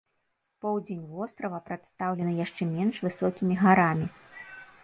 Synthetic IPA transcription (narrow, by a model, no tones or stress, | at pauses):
pɔwd͡zʲenʲvɔst̪ɾɐvɐpɾat̪st̪awlʲɛnɨjaʂt͡ʂɛmʲɛnʂvɨsɔkʲimʲiɣaɾamʲi